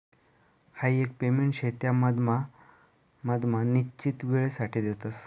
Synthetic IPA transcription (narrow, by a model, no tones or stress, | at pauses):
haiek̚pemeɳʈɕet̪jaməd̪m | məd̪manit͡ɕiːt̪ʋiɭesaʈʰiːd̪et̪as